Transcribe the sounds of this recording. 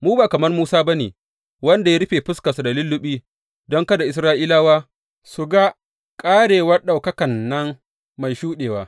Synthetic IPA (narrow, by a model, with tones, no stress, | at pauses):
muː˦baː˨kɐ˨mɐ˦rmuː˦saː˦ba˦nḛː˨ | wɐ˦nda˨ja˦ɽɪ˦ɸeː˨ɸʊ˦ska˨su˨da˨lʊ˦lːʊ˦ɓiː˦ | dɔ˦ŋka˦da˨ʔɪ˨s̬ɾaː˦ʔiː˦laː˦waː˦ | sʊ˨ɡa˦ | kʼaː˦ɽeː˨wɐ˦rɗa˨wkɐ˦kɐ˨nːɐ˦ŋ | ma˨jʃuː˦ɗeː˨waː˦